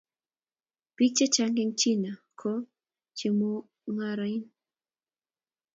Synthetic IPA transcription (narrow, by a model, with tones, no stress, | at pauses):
pi˦t͡ʃe˦t͡ʃa˧ŋɡe˧ŋt͡ʃi˦na˨ | kʰo˦ | t͡ʃe˧mu˦ | ŋa˧ɾa˨i˦n